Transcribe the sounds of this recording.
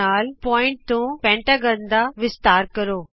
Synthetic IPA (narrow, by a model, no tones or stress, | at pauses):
aːlpɔːɪ̃ɳʈ̚t̪ũːpɛ̃ːɳʈaːɡə̃nd̪aʋɪst̪aːɾkɐɾoː